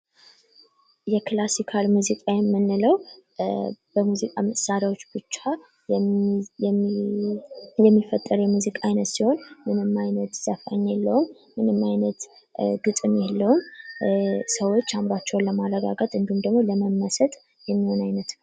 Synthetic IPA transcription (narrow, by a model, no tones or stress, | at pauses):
jɛklasikʰalmuzikʼajɛmːɨnːɨləw | b̥əmuzikʼaməssaɾjawo̞t͡ʃːb̥ɨt͡ʃːa | jɛmːifət̪ʼːəɾjɛmuzikʼaajnət̪siho̞nmɨnɨmːajnət̪səfaɲːelːəwumː | ɨnɨmːajnət̪ | ɡɨt̪ʼɨmjelːəwum | səwo̞t͡ʃːambat͡ʃːɛwnləmaləɡa̰ɡat̪ʼɨnd̪iumd̪əɡmoləməmːəsət̪ʼ | jɛmːiho̞najnət̪n